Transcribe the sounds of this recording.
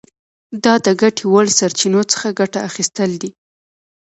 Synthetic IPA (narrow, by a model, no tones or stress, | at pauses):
d̪ɑd̪əɡaʈʰiwəlsaɾt͡ʃinot͡sə̥xaɡaʈaːxist̪əld̪i